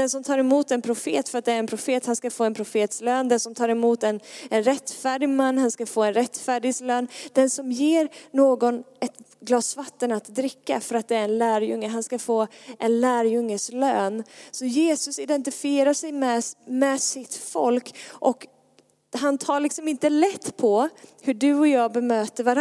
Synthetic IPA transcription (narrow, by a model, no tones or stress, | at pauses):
d̪ɛnsɔmt̪ʰɑːɾɪmuːt̪ɛnpʰɾʊfḛːt̪fœɾat̪̚d̪ɛːɾɛnpʰɾʊfeːt̪hanskafoːɛnpʰɾʊfeːt̪sløːnd̪ɛnsɔmt̪ʰɑːɾɪmuːt̪ɛnɛnɾɛt̪ːfæːɖɪɡmanːhanskafoːɛnɾɛt̪ːfæːɖɪɡsløːnd̪̥ɛnsɔmjeːɾnoːɡɔnɛt̪ | ɡlɑːsvat̪ːənat̪d̪ɾɪkːa̰fœɾat̪̚d̪ɛæːɾɛnlæːɾjɵŋːəɦanskafoːʔɛnlæːɾjɵŋːəsløːnsɔjeːsɵsɪd̪ɛnt̪ɪfɪeːɾaʂɛjmɛmɛsɪt̪fɔ̰lkʔɔk | ɦant̪ʰɑːɭɪksɔmɪnt̪əlɛt̪ːpʰɔhɵɖɵɔjɑːbɛmøːt̪əɾvaɾ